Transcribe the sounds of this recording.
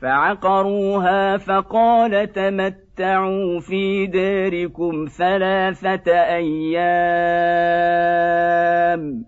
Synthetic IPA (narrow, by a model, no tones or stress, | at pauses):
faʕɑqɑɾˤuːɦaːfɑqɑːlat̪amat̪ːaʕuːfiːd̪aːɾɪkʊmθalaːθaʔajːa | m